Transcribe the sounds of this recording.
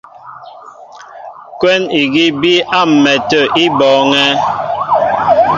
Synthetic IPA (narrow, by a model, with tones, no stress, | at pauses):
kwɛ˦ni˨ɡi˦bi˦ʔa˦m̩˨mɛ˨tə˨ʔi˦bɔː˨˦ŋɛ˦